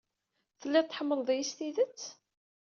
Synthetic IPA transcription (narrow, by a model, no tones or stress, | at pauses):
θəlːæt̪ːħəmːəlˤðˤijist̪iðət͡sː